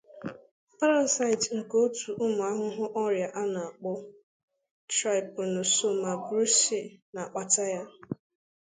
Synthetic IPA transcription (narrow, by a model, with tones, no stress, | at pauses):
pa˦ɾa˦˨sa˦ɪ˨tŋ̩˨ko˦tu˨ʔʊ˦mʊ˨a˦ɦʊ˦ɦʊ˦ʔɔ˦ɾja˨ʔa˦na˨a˨k͡pɔ˦ | tɾa˦ɪ˨pʊ˨nʊ˨so˦ma˨ɡɾu˦se˨na˨k͡pa˨ta˦ja˦